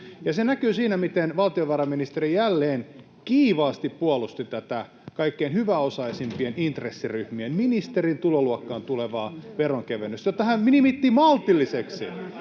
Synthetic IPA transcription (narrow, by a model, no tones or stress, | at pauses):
jɑsenækyːsiːnæmit̪enʋɑlt̪ioʋɑrɑminist̪eɾijælːeːn | kiːʋɑːst̪ippuɑlust̪it̪æt̪æ | kɑikːeinhyʋæosɑisimpienint̪resːiryhmienminist̪erint̪uloluɑkːɑːnt̪uleʋɑːʋeroŋkeʋenøst̪jot̪ːɑhæmminimit̪ːimɑlt̪ilːiseksḭ